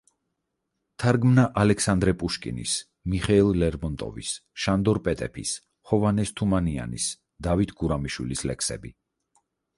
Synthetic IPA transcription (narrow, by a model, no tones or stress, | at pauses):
t̪ʰaɾɡmnaʔalɛkʰsand̪ɾɛpʼuʃkʼḭnḭs | miχɛilˠlɛɾmɔnt̪ʼɔ̰vḭsʃand̪ɔɾpʼɛt̪ʼɛpʰḭs | hɔvanɛst̪ʰumania̰nḭs | d̪̥avit̪ʰɡuɾamiʃwilislɛ̰kʰsɛ̰bi